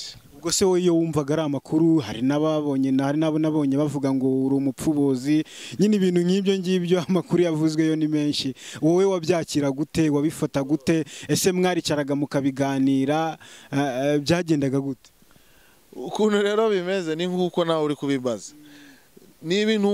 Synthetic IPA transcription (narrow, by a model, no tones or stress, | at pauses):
ubɡosewoijo̞wuːɱvaɡaɾamakʰuɾuɦa̰ɾinaβaβoɲenhaɾinaβonaβoɲeβavuɡaŋɡo̞uɾoːmupuβoziɲiniβiːn̥huɲiːβjo̞ɲɟiβjo̞amakuɾujavuzwe̞jo̞nime̞ːʃiwowe̞waβjaːciɾaɡute̞waβifataɡute̞ese̞mŋaːɾicaɾaɡamukaβiɡaːniːɾa | βjaːɟe̞ːndaɡaɡute̥ | ukuːnuɾe̞ːɾo̞βime̞ze̞niŋɡukonauɾikuβiβaza | niβiːnu